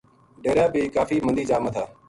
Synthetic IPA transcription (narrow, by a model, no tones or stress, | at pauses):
ɖeːɾjaːbiːkaːfiːmənd̪iːd͡ʒaːmət̪ʰaː